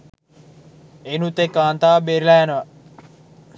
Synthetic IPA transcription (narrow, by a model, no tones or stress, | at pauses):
enut̪ekːaːnt̪aːbeɾilænəʋɐ